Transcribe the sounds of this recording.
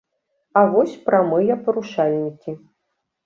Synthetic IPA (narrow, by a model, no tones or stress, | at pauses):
ɐvɔsʲpɾamɨjɐpɐɾuʂalʲnʲikʲi